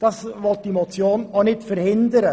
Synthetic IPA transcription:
d̥ɑsvɔlt̚d̥imot͡sjoːnonɪtfɛɾhɪndəɾə

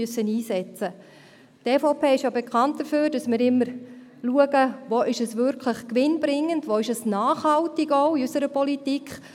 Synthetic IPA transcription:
øsːəniːsɛt͡sə | teːfoʊpʰeːɪʃjobɛkʰɑntd̥əføːɾdɑsmɪːɾɪmːəɾluəɡəʋoʔɪʃəsʋʏɾkʰləχkʋɪnbɾɪŋːəndʋoːɪʃəsnaːχhɑltɪɡɔʊiysəɾəpɔlitikχ

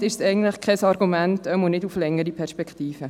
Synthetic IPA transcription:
tɪʃsɛɪɡən̩tləχkʰɛsɑɾɡumæntœmonɪduflɛŋːəɾipʰɛɾʃpɛkχtiːfə

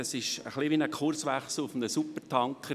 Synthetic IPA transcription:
əsɪʃə̰χliʋinəkʰʊrsʋɛχsl̩ʊfnəsupːəɾtʰɑŋkχə

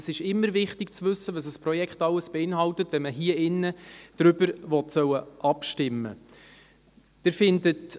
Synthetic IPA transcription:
sɪʃɪmːəɾvɪχtɪkt͡sʋɵsːədəsəsprɔjɛkχtɑləsb̥ɛɪnɦɑltətvɛnməɦiəɪnːəd̥ɾʏbəɾvɔtsœwəʔɑpʃtɪmːə̰ | d̥ɪɾfɪndət

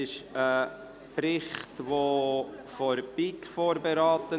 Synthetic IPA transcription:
ɪʃə | pɾɪχtʋoːfoɾpikfoːɾbeɾɑːt̪ə

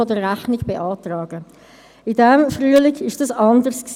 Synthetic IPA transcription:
ɔdəʁæχnɪɡb̥eʔɑːtrɑːɡə | ɪdɛmfʁyːəlɪkɪʃd̥ɑsɑndəɾsks

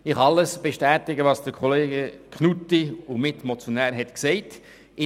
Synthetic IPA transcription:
ɪχɑləsb̥eʃtæːtɪɡəʋɑːsd̥əɾkʰoleːɡəkʰnutiumɪtmot͡sjonæːɾɦɛtksɛɪt | ɪ

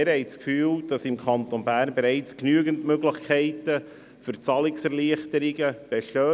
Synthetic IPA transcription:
ɪɾhɛɪt͡skfyːld̥ɑsɪmkʰɑnt̪onbæːɾnbɛɾɛɪt͡sknyəɡəntmøɡlɪχkʰɛɪtə | fʏɾt͡sɑlɪksɛɾliəχtəɾiɡəb̥ɛʃøː

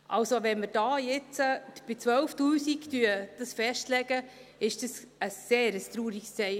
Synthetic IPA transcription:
ʔa̰lsoʋɛnməɾd̥ɑːjɪt͡səb̥ɪt͡sʋœlftuːsiktyəd̥əsfɛʃtlɛɡəɪʃd̥əs | əsːeːɾəst̪ɾuːɾikst͡sɛɪ

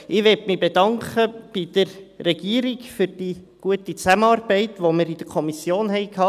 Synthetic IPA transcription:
ɪʋɛtmibedɑŋkχəb̥id̥̪əɾːɛɡiəɾiɡfʏɾd̥iːɡ̥uətit͡sæməɑːrbɛɪtʋomɪɾid̥̪əɾkʰɔmisjoːnɦɛɪkʰhɑː

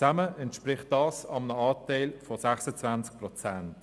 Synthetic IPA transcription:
aməɛntʃpɾɪχt̚d̥ɑːsɑmənəɑːtɛɪlfɔsæχsət͡svant͡sk̚prɔt͡sænt

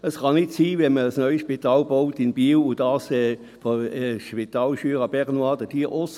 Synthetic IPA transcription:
əsχɑnɪtsiːvɛnməəsnœʏʃpitɑːlboʊtɪnbiːlʊdɑːsɛː | foɛʃpit̪ɑːlʃyːəʁəb̥ɛʁnwɑːd̥əd̥iːʔɔs

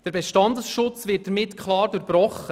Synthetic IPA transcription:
d̥əɾbɛʃtɑndəsʃʊt͡svɪt̚dəɾmɪtkʰlɑːɾduɾbɾɔχə

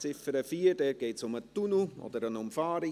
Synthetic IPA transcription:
t͡sɪfəɾəfiːəɾd̥ɛːɾɡ̥eɪtsʊmət̪unuʔɔ̰d̪əɾənʊmfɑːɾi

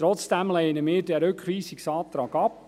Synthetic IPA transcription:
tɾɔt͡sd̥ɛmlɛɪənəmɪːdɛɾʏkχʋiːsɪksɑːt̪ɾɑːɡɑp

